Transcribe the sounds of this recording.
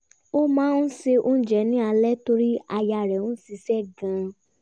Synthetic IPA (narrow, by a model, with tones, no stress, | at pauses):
o˦mãː˦n̩˦se˧ʔo˦d͡ʒɛ˨nĩ˦a˧lɛ˦to˧ɾi˦a˧ja˧˨ɾɛ˨ũ˦si˧sɛ˦˨ɡã˧